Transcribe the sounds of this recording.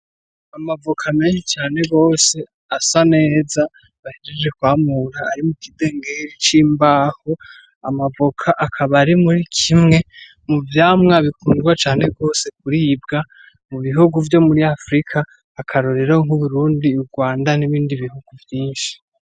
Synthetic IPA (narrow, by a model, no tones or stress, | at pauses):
amavokʰame̞ːnʃit͡ʃaːne̞ɡo̞ːse̞ | asane̞ːza | βaheɾed͡ʒe̞kwaːmuɾaːɾimukide̞ːŋɡeɾit͡ʃiːmbaːho | a̰mavokʰaʔakʰaβaɾimuɾikʰimŋe̞ | muvjaːmŋaβikuːndɡwat͡ʃaːne̞ɡo̞ːse̞k̚uɾibɡa | muβiɦuɡuvjo̞muɾiafɾikʰaː | kʰaɾoɾeɾahoŋ̥huβuɾuːndiuɾɡwaːndaniβiːndiβihuɡ̥uvjiːnʃi̥